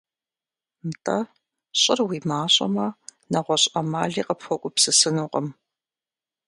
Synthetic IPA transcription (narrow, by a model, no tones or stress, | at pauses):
mtʼɐ | ɕʼɪrwiːmaːɕʼɐ̰mɐnɐʁʷɔɕʼɐmaːɮiːqəpxʷɔkʷʼʊpsɨsɨnuːqʼəm